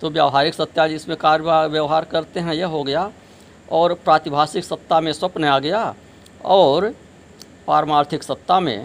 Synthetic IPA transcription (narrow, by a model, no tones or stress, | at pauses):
t̪objəːʋɦaːɾɪksət̪ːjad͡ʒɪsmẽkaːɾaʋjəʋɦaːɾkəɾt̪eɦɛ̃jɐɦoɡɐja | ɔːɾpɾãːt̪ɪbʱaːsɪksəp̚t̪ːamẽswɐpnaːɡɐja | ɔːɾ | paːɾəmaːɾt̪ʰɪksɐp̚t̪ːamḛ̃